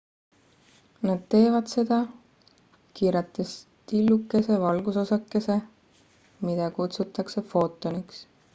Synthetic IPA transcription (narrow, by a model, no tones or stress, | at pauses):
nɑd̪̥̚t̪e̞ːvɑd̪̥se̞d̪̥ɑ | kiːɾɑt̪ːˑes | t̪ilːukːe̞se̞vɑlɡ̥uso̞sɑkːe̞se̞ | mid̪̥ɑkut̪sut̪ːˑɑkse̞fo̞ːt̪ːˑoniks